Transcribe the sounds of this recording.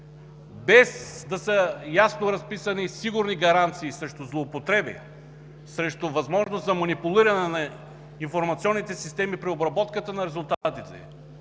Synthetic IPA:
bɛzd̪ɐsəjasnoɾɐspisɐnisiɡʊɾniɡɐɾant̪siːsɾɛʃt̪ʊzlˠoːpot̪ɾɛbḭ | sɾɛʃt̪ʊvɐzmɔʒnost̪zɐmɐnipulˠiɾɐnɛnɐ | iɱfoɾmɐt̪siɔnːit̪ɛsist̪ɛmipɾiobɾɐbɔt̪kət̪ənɐɾɛzʊlˠt̪at̪it̪ɛ̰

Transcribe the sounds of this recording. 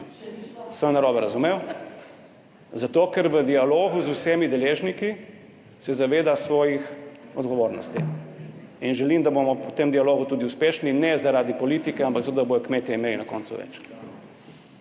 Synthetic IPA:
səmnaɾɔːbɛɾazumew | zat̪oːkɛɾʋəd̪ialoːɡuzusɛmid̪ɛleːʒniki | sɛzaʋeːd̪asʋɔːjixɔd̪ɡɔʋoːɾnɔ̰st̪ḭ | inʒɛlimd̪abomɔɔt̪emd̪ijaloːɡut̪uːd̪iuspeːʃninɛzaɾaːd̪ipɔliːt̪ikɛampakzat̪od̪aboːjɔkmeːt̪jɛimeːlinakɔ̰ːnt̪sṵʋɛ̰t͡ʃ

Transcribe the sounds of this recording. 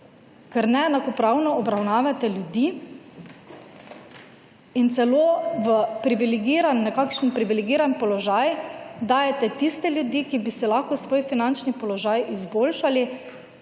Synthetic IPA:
kɛɾnɛɛnakɔpɾawnɔɔbɾawnaːʋat̪ɛljud̪iː | int̪sɛloːʋəpɾiʋiliɡiːɾanːɛkakʃənpɾiʋilɛɡiːɾanpɔlɔʒajd̪aːjɛt̪ɛt̪ist̪ɛlʲjud̪iːkibisɛlaxkɔsʋoːjfinant͡ʃnipɔlɔʒaːjizboːlʃali

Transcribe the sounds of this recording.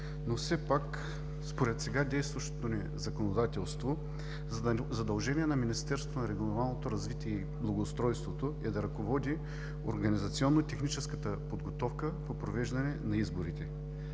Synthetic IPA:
nofsɛpak | spoɾɛt̪sɛɡad̪ɛjst̪vɐʃt̪o̥t̪onɛ | zɐkonod̪at̪ɛlˠst̪vo | zzɐd̪ɐlˠʒɛnʲiɛnɐminist̪ɛɾso̥vonɐɾɛɡlˠovalˠnot̪oɾɐzvit̪iɛi | blˠɐɡoːst̪ɾɔjst̪vot̪oid̪ɐɾɐkovɔd̪i | o̰ɾɡɐnizɐt̪siɔnːoit̪ɛxnit͡ʃɛskət̪əpod̪ɡot̪ɔfkəpopɾovɛʒd̪ɐnɛnɐizboɾit̪ɛ

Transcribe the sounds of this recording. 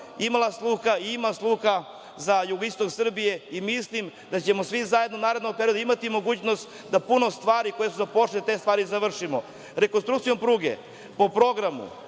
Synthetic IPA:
imalaslˠuːxaiimaslˠuːxa | zajuɡoist̪o̞ksr̩bije̞imislimd̪at͡ɕemo̞sʋizajed̪nonaːɾed̪noɡ̚peɾio̞d̪uimat̪imo̞ɡuːt͡ɕnost̪ | d̪apuno̞st̪ʋaːɾiko̞jesuzapo̞t͡ʃlet̪e̞ːst̪ʋaːɾizaʋr̩ʂimo | ɾe̞konst̪ɾukt̪sijo̞mpɾuːɡḛ | po̞pɾo̞ɡɾamṵ

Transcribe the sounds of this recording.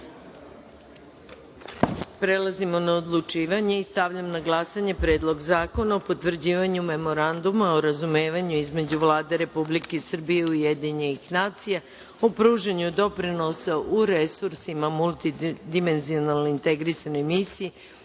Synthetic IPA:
pɾe̞lˠazimo̞naod̪lˠut͡ʃiːʋaɲe̞ist̪aʋʎamnaɡlˠasaɲe̞pɾeːd̪lˠo̞ɡzaːko̞naopo̞t̪ʋr̩d͡ʑiːʋaɲume̞mo̞ɾand̪umaoɾazume̞ːʋaɲuizme̞d͡ʑuʋlˠaːd̪e̞ɾe̞publike̞isr̩bije̞uje̞d̪iɲenixnaːt̪sija | opɾuːʒaɲud̪o̞pɾino̞saʔuɾe̞suɾsimamulˠt̪id̪ime̞nzionalnoint̪e̞ɡɾisano̞jmisiji

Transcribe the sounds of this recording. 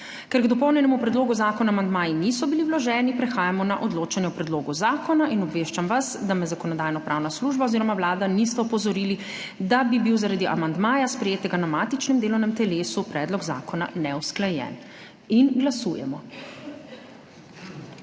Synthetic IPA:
kɛɾɡd̪ɔpɔwnjɛnɛmupɾɛd̪loːɡuzaːkɔnaːmand̪maːjinisɔbiliwlɔʒɛːnipɾɛxaːjamɔnaʔɔd̪loːt͡ʃanjɛwpɾɛd̪loːɡuzaːkɔnaʔinɔbʋeːʃt͡ʃamʋazd̪amɛzakɔnɔd̪aːjnɔpɾʔaːwnasluːʒbaoziɾɔmawlaːd̪anist̪ɛɔpɔzɔɾiːli | d̪abibiwzaɾad̪iʔa̰mand̪maːjaspɾɛjeːt̪ɛɡanamaːt̪it͡ʃnɛmd̪eːlɔwnɛmt̪ɛleːsupɾɛːd̪lɔɡza̰ːkɔna̰nɛwsklajɛ̰ːn | inɡlasṵːjɛ̰mɔ

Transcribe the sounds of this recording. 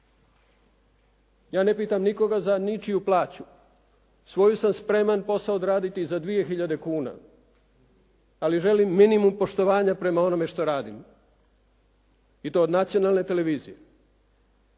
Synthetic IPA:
jaːne̞piːt̪amniko̞ɡazanit͡ʃijuplˠaːt͡ɕu | sʋo̞jusamspɾe̞manpo̞saod̪ɾaːd̪it̪izad̪ʋije̞xiʎad̪e̞kuːna̰ | aliʒe̞limːinimumpo̞ʃt̪o̞ʋaːɲapɾe̞mao̞no̞me̞ʃt̪o̞ɾaːd̪im | it̪o̞ːod̪nat̪sijo̞nalˠne̞t̪e̞le̞ʋiːzije̞

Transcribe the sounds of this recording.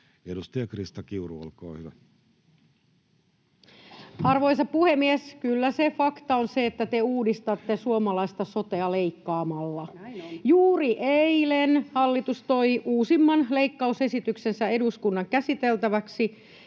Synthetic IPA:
edust̪ɑjɑkrist̪ɑkiuruɑ̰lko̰ːhyʋæ | hɑrʋo̞jsɑpuhemːieskylːæsefɑkt̪ɑonseːt̪ːæt̪euːdist̪ɑt̪ːesuomɑlɑist̪ɑso̞t̪eɑleikːɑːmɑlːɑjuːriʔeilenhɑlːit̪ust̪o̞iuːsimːɑnleikːɑuse̞sit̪yksensæe̞duskunːɑŋkæsit̪elt̪æʋæksi

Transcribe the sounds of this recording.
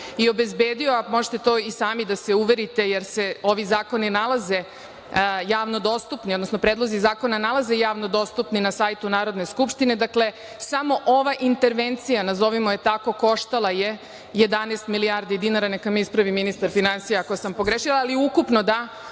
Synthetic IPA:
io̞be̞zbeːd̪ioamo̞ʒe̥t̪e̞t̪oːisaːmid̪ase̞uʋe̞ɾit̪e̞jeɾse̞o̞ʋizaːko̞ninalˠaze̞ | jaːʋnod̪o̞st̪upniod̪nosno̞pɾed̪lo̞zizaːko̞nanalˠaze̞jaːʋno̞d̪o̞st̪upninasaːjt̪unaːɾo̞d̪ne̞skupʃt̪ine̞d̪akle̞ | samo̞ʔoʋaʔint̪e̞ɾʋent̪sijanazo̞ʋimo̞je̞t̪ako̞ko̞ʃt̪alˠaje̞ | je̞d̪anest̪milijaːɾd̪id̪inaɾanekamispɾaʋiminist̪aɾfinansijeakosampo̞ɡɾeʃilˠaːliukupnod̪a

